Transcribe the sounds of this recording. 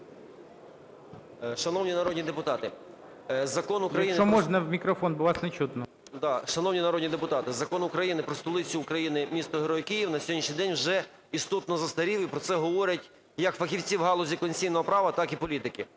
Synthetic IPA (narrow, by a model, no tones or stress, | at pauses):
ʃɐnɔwnʲinɐɾɔd̪ʲnʲid̪epʊt̪ɑt̪ɪ | zɐkɔnukɾɐjinɔmɔʒnɐwmʲikɾɔfɔnbʊʋɑsnet͡ʃut̪nɔ | d̪ɑʃɐnɔwnʲinɐɾɔd̪ʲnʲid̪epʊt̪ɑt̪ɪzɐkɔnʊkɾɐjinɪpɾɔst̪ɔlˠɪt͡sʲʊːkɾɐjinɪmʲist̪ɔɦeɾɔjkijiwnɐsʲɔɔdʲnʲiʃʲɲʲijd̪ɛnʲwʒɛ | ist̪ɔt̪nɔzɐst̪ɐɾʲiwipɾɔt̪sɛɦɔʋɔɾʲɐtʲ | jɐkfɐxʲiwt͡sʲiwɦɑlˠɔzʲikɔnʲsʲijnɔɦɔpɾɑʋɐt̪ɑkipɔlʲit̪ɪkɪ